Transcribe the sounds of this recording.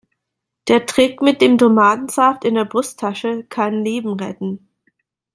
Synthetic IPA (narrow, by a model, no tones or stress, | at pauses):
d̥eːɐtʁ̥ɪkmɪt̚d̥eːmtomaːdn̩z̥aftɪndeːɐbʁʊstʰːaʃəkʰanleːbm̩ʁɛ̰tn̩